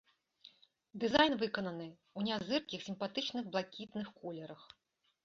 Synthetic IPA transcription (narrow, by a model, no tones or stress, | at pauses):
d̪ɨzajnvɨkɐnɐnɨ | wnʲazɨrkʲixsʲimpat̪ɨt͡ʂnɨɣblˠakʲit̪nɨxkɔlʲɛɾɐx